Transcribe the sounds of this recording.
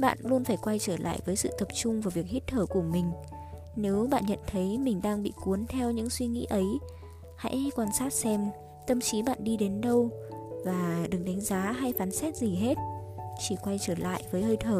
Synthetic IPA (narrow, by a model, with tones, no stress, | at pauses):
ɓa̰ː˧˨nlu˧ənfaː˧˩jkwa˧jt͡ɕəː˧˩la̰ː˧˨jvəː˨˦jsɨ̰˧˨t̪ə˨˩p̚t͡ɕʊ˧ŋ͡mvaː˨˩vi˨˩ək̚hi˦˥t̚t̪ʰəː˧˩ku˧˩əmï˨˩ŋ̟ | ne˨˦wɓa̰ː˧˨nɲə̰˧˨nt̪ʰə˨˦jmï˨˩ŋ̟ɗaː˧ŋɓḭ˧˨ku˨˦ənt̪ʰɛ˧wɲɨ̰˧˥ŋswi˧ŋḭ˧˥ʔə˨˦j | ha̰˧˥jkwaː˧nsaː˦˥t̚sɛ˧m | t̪ə˧mt͡ɕi˨˦ɓa̰ː˧˨nɗi˧ɗe˨˦nɗə˧wvaː˨˩ɗɨ˨˩ŋɗa˨˦jŋ̟zaː˨˦ɦa˧jfaː˨˦nsɛ˦˥t̚zi˨˩ɦe˦˥t̚ | t͡ɕi˧˩kwa˧jt͡ɕəː˧˩la̰ː˧˨jvəː˨˦jhəː˧jt̪ʰəː˧˩